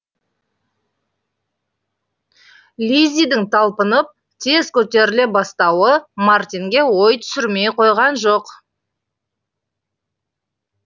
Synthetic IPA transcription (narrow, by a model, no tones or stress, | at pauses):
lʲizʲijd̪ɪŋt̪ʰɑlˠpənəp̚ | t̪ʰe̞zkʲʰɵt̪e̞ɾɪlebɑst̪ɑwəmart̪ʲiŋɡʲe̞wo̞jt̪ʰʏ̥sɪɾme̞jqʰo̞jʁɑnʒoq